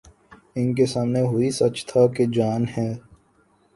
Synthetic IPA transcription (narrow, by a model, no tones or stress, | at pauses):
ɪnk̬esaːmneɦʊisɐt͡ʃt̪ʰaked͡ʒaːnɦɛː